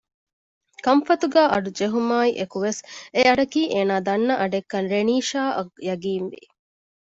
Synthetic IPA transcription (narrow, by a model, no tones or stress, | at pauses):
kɐmfɐt̪uɡæːʔɐɖud͡ʒeɦumaːiʔekuʋeseɐɖɐkiːʔeːnaːd̪ɐnːɐʔɐɖekːɐnɾeniːʃaːʔɐkjɐɡiːnʋḭ